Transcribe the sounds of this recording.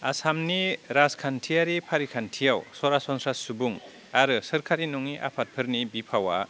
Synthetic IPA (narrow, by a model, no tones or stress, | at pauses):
a̰samniɾaskʰantʰijaɾipʰaɾikʰantʰijawsɔɾasɔnsɾassubuŋ | aɾɯsɯɾkʰaɾinɔŋiʔa̰pʰat̚pʰɯɾnibipʰawa̰